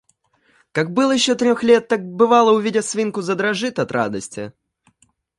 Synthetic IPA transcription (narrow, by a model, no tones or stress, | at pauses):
kak̚bɨlˠjɪɕːot̪ɾʲoxlʲet̪ːak̚bɨvalˠəʊvʲidʲɪsvʲinkʊzəd̪ɾɐʐɨt̪ɐt̪ɾa̰d̪əsʲtʲɪ̰